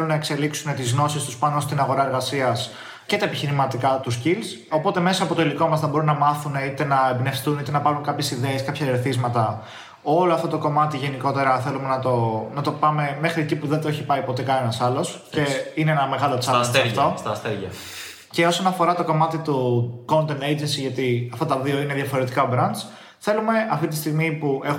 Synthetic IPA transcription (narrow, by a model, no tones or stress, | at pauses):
elunɐe̞kse̞liksune̞t̪izno̞sist̪uspɐnost̪inɐɣo̞ɾɐe̞ɾɣɐsiɐs | ce̞t̪ɐe̞piçiɾimɐt̪ikɐt̪uscils | o̞po̞t̪e̞me̞sɐːpo̞t̪o̞iliko̞mɐsθɐbo̞ɾunːɐmɐθune̞it̪e̞nɐebne̞fst̪unit̪e̞nɐpɐɾunkɐpçe̞siðeːskɐpçɐeɾθizmɐt̪ɐ | o̞loɐft̪o̞t̪o̞ko̞mɐt̪iʝe̞niko̞t̪e̞ɾɐθe̞lume̞nɐt̪o̞nɐt̪o̞pɐme̞me̞xɾiecipuðet̪oeçipɐipo̞t̪e̞kɐne̞nɐsɐlo̞sce̞ineenɐme̞ɣɐlot͡sɐeɐft̪ost̪ɐst̪eʝɐ̰ | ce̞o̞so̞nɐfo̞ɾɐt̪o̞ko̞mɐt̪it̪uko̞nt̪end̪ejd͡ʒensiʝɐt̪iɐft̪ɐt̪ɐðio̞ine̞ðʝɐfo̞ɾe̞t̪ikɐobɾɐns | θe̞lume̞ɐft̪it̪i̥st̪iɣmipue̞x